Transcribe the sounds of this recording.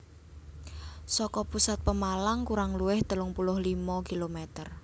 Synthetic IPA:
sɔkɔpusat̪̚pəmalaŋkuɾaŋluwɪht̪əlʊŋpulʊhlimɔkilomɛt̪ər

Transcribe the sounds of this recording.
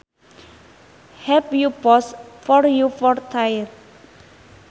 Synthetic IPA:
hɛpjupɔsfɔɾjufɔrt̪ʰajər

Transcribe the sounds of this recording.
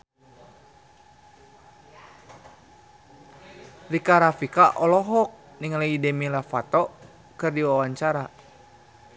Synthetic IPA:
rikaɾafikaʔɔlɔɦɔk̚ | niŋalaidɛmilafat̪ɔ | kɨrdiwawaɲt͡ʃaɾa

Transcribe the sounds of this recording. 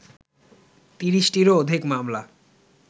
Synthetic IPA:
t̪iɾiʃʈiɾood̪ʱikmamla

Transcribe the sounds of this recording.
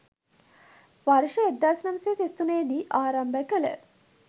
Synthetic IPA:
ʋaɾʃəed̪ːaːsnɐməseːsist̪uneːd̪iːʔaːɾɐmbəkələ̰

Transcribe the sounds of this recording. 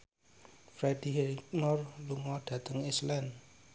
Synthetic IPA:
fɾɛd̥iɦɛk̚nɔrluŋɔɖ̥ä̤t̪əŋislɛn

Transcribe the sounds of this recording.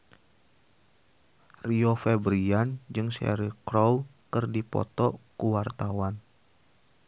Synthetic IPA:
riɔfɛbɾiand͡ʒɨŋsɛ̰ɾikɾɔwkɨrdipɔ̰t̪ɔkuwart̪awan

